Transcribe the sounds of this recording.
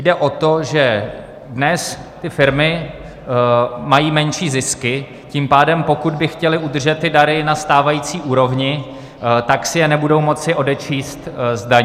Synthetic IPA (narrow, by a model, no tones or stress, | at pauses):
jdɛʔo̞t̪o̞ʒɛ | dnɛst̪ɪfɪɾmɪ | majiːmɛnʃiːzɪskɪ | ciːmpaːdɛmpo̞kud̪bɪxcɛlɪʔud̪r̩ʒɛt̪ːɪdaɾɪnast̪aːvajiːt͡siːʔuːɾovɲɪ | t̪aksɪjɛnɛbudo̞wmo̞t͡sɪʔo̞dɛt͡ʃiːst̪zdaɲː